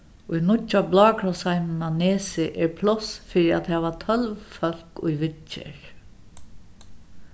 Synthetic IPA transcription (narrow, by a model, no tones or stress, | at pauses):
ʊjnʊcːablɑːkʰɾɔsajnnaneːsɪʔɛɹpʰlɔsfɪɾɪat̪hɛːvat̪ʰœlʋfœl̥kʊ̰jʋɪtt͡ʃɛ̰ɹ